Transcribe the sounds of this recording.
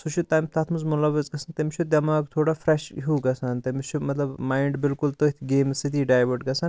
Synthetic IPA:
sut͡ʃʰut̪ajmt̪ʰɐt̪ʰmuzmulɐʋɐzɡɐsʰɐnt̪ɐmit͡ʃʰud̪ʲɐmaːkt̪ʰoːɽafɾeʃɦuːɡɐsʰɐnt̪ɐmit͡ʃʰumɐt̪lɐbmaːjɳɖbilkult̪ot̪ʰɡeːmsit̪iɖaːjʋɐɖɡɐsʰɐn

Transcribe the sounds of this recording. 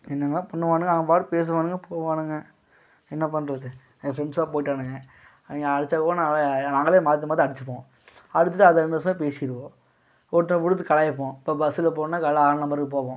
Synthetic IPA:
ɛnːɐnːaːpɐɳːɐʋaːnɯŋɡɐɐŋɡɐpaːʈɯpeːs̬ɐʋaːnɯŋɡɐpoːʋaːnɯŋɡɐ | ɛnːɐpɐnːɾɐðɯ | ɡɐfɾɛɳsaːpoːjɪʈːaːnɯŋɡɐ | ŋɡɐɐɽɯt͡ʃːakːõːnaːɐlnaːŋɡɐleːmaːɾt̪̬ːɐmaːðiɐɽɯt͡ʃːɯ̥pːõː | ɐɽɯt̪ːtːɯɐðɐɛnd̪ɐsɐmeːpeːsɪjɪɾɯʋõː | ɔʈːnɐpʊɽɯt̪̬ːɯkɐɭɐjɐp̬ːõːpːoːbɐsɪlɐpoːnːaːkɐlɐaːɾnɐmbɐɾɯkɯp̬oːʋõː

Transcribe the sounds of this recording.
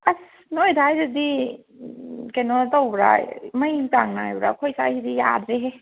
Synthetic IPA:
a | nojdʰajɾɯdi | kenɔtawbɾa̰majmtaŋnajbɾa̰kʰojsajzidija̰dɾeɦ

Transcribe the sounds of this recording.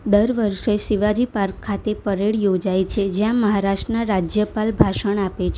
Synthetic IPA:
d̪əɾʋəɾʃesiʋad͡ʒipaɾkʰːat̪epəɾeɭjod͡ʒajt͡ʃʰed͡ʒjãməɦaɾaʃʈənaɾad͡ʒjəpalbʱaʃəɳ̃apet͡ʃʰ

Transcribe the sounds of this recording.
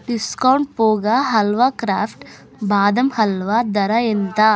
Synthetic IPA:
ɖiskɐwɳʈ̚poːɡaɦɐlʋakɾaːpʰʈ | baːd̪ɐmhɐlʋad̪ɐɾɐent̪a

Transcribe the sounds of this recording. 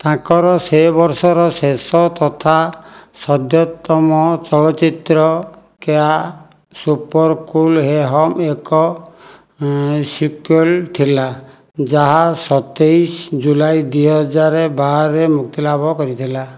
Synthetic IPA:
t̪ãkɔɾɔsebɔɾsɔɾɔsesɔt̪ɔt̪ʰasɔd̪jɔt̪ːɔmɔt͡ʃɔlɔt͡ʃit̪ɾɔ | kea | supɔɾkulɦeɦɔmekɔ | sikelt̪ʰila | d͡ʒaɦasɔt̪ejsd͡ʒulajd̪iɦɔd͡ʒaɾebaɾemuk̚t̪ilabʱɔkɔɾit̪ʰila

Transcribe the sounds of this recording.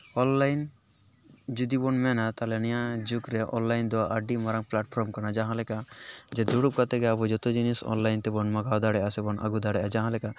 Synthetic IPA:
ɔnlajn | d͡ʒud̪ibɔnmɛnat̪alɛnijad͡ʒukɾɛʔɔ̰nlajnd̪ɔwaʔaɖimaɾaŋplaʈ̚pʰɾɔmkanad͡ʒaɦãlɛkad͡ʒɛd̪uɽup̚kat̪ɛɡɛabɔd͡ʒɔt̪ud͡ʒinisɔ̰nlajnt̪ɛbɔnmaɡawd̪aɽɛʔasɛbɔnʔa̰ɡud̪aɽɛʔad͡ʒaɦãlɛka

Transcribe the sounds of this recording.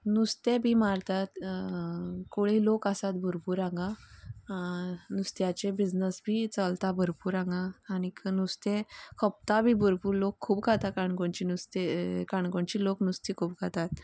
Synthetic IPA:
nust̪ebʱimaɾt̪at̪ | koɭilokasat̪bʱəɾpuːɾãŋɡa | nust̪jat͡ɕebid͡znəsbʱit͡səlt̪abʱəɾpuːɾãŋɡaːniknust̪ẽkʰəp̚t̪abʱiːbʱəɾpuːɾlokʰːuːpɡʱat̪akaɳkoɳt͡ɕinust̪ekaɳkoɳt͡ɕiloknust̪ikʰuːpɡʱat̪at̪

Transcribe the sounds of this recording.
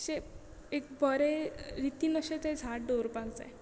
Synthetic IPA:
ɕe | ekbəɾeɾit̪inəɕet̪ed͡zʱaʈ̚ɖoɾpaɡd͡za̰j

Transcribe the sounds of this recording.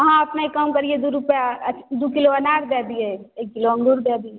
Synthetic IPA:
ɦãɐpnaikːəmkəɾied̪uɾʊpjaɐd̪ukɪloɐnaːɾd̪eːd̪ieekːɪloɐ̃ŋɖuɾd̪eːd̪ie

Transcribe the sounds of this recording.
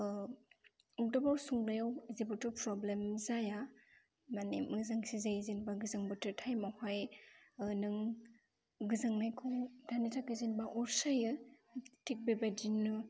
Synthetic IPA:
ɔdɔbɔɾsuŋlajawizebɔtɔpɾɔblemzaja | manḛmɯzaŋsizajzinbaɡɯzaŋbɔtɯtʰajmahaj | nɯŋ | ɡɯzaŋnajkʰɔŋdanitʰakɯzinbaʔɔɾsajɯtʰik̚bebadinːɯ

